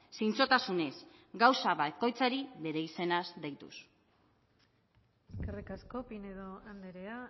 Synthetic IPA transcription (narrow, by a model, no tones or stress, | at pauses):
sint͡so̞t̪asune̞sɡawsaβako̞jt͡saɾiβe̞ɾe̞ise̞nazd̪ejt̪ṵs | eskerikasko̞pineðoand̪eɾea